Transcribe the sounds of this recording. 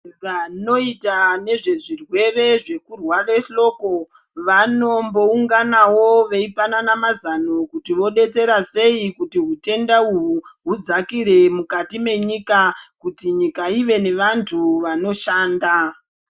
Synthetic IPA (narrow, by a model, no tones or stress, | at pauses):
ʋano̞itane̞ʐe̞ʐirwe̞re̞ʐe̞kurwareɬo̞ːko̞ | ʋano̞mbouŋɡanawoʋeipananamazano̞kutiʋo̞ɗe̞t͡se̞ɾase̞ikutiɦute̞ndauɦuɦud͡zakiɾe̞mukatime̞ɲikakutiɲikaiʋe̞ne̞ʋantʰuʋano̞ʃaːnda